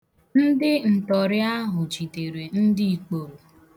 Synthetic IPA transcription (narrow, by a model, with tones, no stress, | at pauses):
n̩˦dɪ˦n̩˨tɔ˨ɾɪ˦a˦ɦʊ˨t͡ʃi˨te˨ɾe˨n̩˦dɪ˦i˨k͡po˨ɾo˨